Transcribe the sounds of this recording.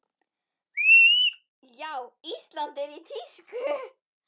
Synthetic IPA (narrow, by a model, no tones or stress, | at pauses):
jawist̪lɑnd̪ɛɾit̪ʰiskø